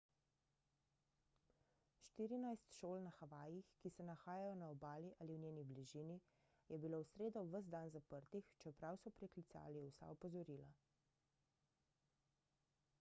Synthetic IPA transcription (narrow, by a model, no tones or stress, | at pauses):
ʃt̪iːɾinajst̪ʃoːlnaxaʋaːjixkisɛnaxaːjajɔnaɔbaːliʔaːliwnʲeːnibliʒini | jɛbilowsɾeːd̪ɔʋəzd̪anzapəɾt̪ixt͡ʃɛpɾawsɔpɾɛklit̪sa̰ːliwsa̰ɔpɔzɔɾiːla̰